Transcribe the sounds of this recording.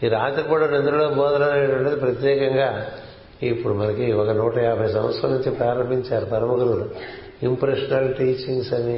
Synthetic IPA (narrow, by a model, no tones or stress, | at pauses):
iɾaːt̪ɐɾɐpoɽɐnend̪ɐɾɐɭoboːðɐnaːneɳɖɐɳɖɐðɯpɾɐt̪jeːkɐŋɡaː | ipːuɽumɐnɐkːɯiʋaːɣɐnuːʈːɐjaːpɐsɐmɐt̪sɐnɐɲt͡ʃːipɾaːɾɐmbiɲt͡ʃːaːɾpɐɾɐmɐɣɐɾɐl | impɾɐʂɐnɐlʈiːt͡ʃːiŋɡsɐni